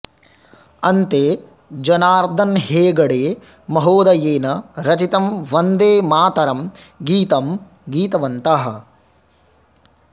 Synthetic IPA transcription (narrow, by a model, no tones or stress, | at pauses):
ɐnt̪eː | d͡ʒɐnaːɾd̪ʱɐnheːɡɐɽeː | mɐɦoːd̪ɐjeːnɐɾɐt͡ʃit̪ɐmʋɐnd̪eːmaːt̪ɐɾɐmɡiːt̪ɐm | ɡiːt̪ɐʋɐnt̪aɦɐ̰̆